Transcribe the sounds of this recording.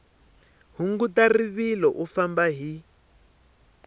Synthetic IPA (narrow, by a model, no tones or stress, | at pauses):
ɦuŋɡutariβilɔʔufambaɦi